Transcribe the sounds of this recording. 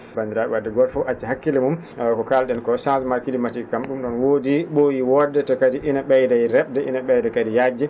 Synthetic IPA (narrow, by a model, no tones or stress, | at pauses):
band̪iɾaɓɛwadːɛɡɔlfɔʔat͡ʃːiɦakːilimum | kɔkalɗɛnkɔsãnsmaɾkilimatikamɗumɗɔnwodiɓojiwɔdːɛtɔkadiʔinaɓɛjdajɾɛɓ̚dɛʔḭnaɓɛjdɛkadijad͡ʒːɛ